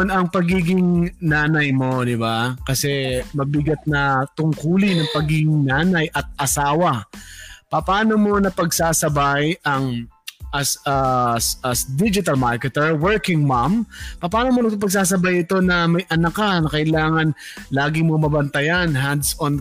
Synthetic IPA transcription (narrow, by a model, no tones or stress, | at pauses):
nɐŋpɐɡiːɡɪŋnaːnɐjmo̞d̪ɪbakɐsɛmɐbɪɡɐt̪̚nɐt̪ʊŋkuːlɪnɐŋpɐɡiːɡɪŋnaːnɐjʔɐt̪̚ʔɐsaːwɐ | pɐpaːno̞mo̞nɐpɐɡsaːsɐbajʔɐŋʔɐsasɐsd̪id͡ʒɪt̪ɐlmaɹkɛt̪ɛɹwɛɹkɪŋmampɐpaːnomonɐp̬ɐɡ̚s̬aːs̬ɐbajɪt̪o̞nɐmɐjʔɐnɐkɐnɐkɐʔɪlaːŋɐnlaːɡɪmomɐbɐnt̪ɐjanɦand̪sn